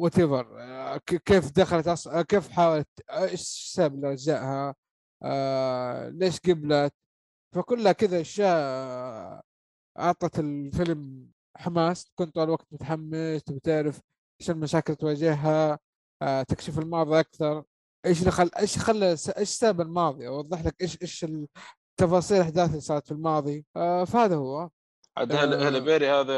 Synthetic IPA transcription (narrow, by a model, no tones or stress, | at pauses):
wɪt̪ɪðˤɑɾˤ | keːfd̪axalat̪ʔɑsˤkeːfħaːwalat̪eʃsaːblɾˤd͡ʒaːʔha | leːʃɡablat̪ | fakʊlːhakɪðaʔʃːaːʔ | ʔɑʕt̪ˤɑt̪ɪlfɪlm | ħamaːskʊnt̪aːlwaɡ̚t̪mʊt̪aħamːɪswt̪ɪʕɾɪf | ʔaʃanmaʃaːkɪlt̪waːd͡ʒɪhɦa | t̪ɪkʃɪfɪlmɑːðˤiʔakθɑɾˤ | ʔeːʃ̬lxaʔeːʃxalːɪsaʔeːʃsaːbɪlmɑːðˤiʔɑwɑðˤːɨħlakʔeːʃʔeːʃɪ | t̪ːɑfɑːsˤiːlɪħd̪aːθɪlsaːʕt̪filmɑːðˤifahaːðahʊwːɑːðˤ | ʕa̰d̪alahlbeːɾihaːða